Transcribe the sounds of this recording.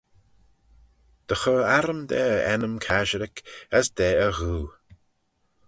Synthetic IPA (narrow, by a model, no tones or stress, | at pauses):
d̪̥əxɔːaɾəmd̪ɛːəʔɛnəmkʰaʒəɾɪkəsd̪̥ɛːəɣuː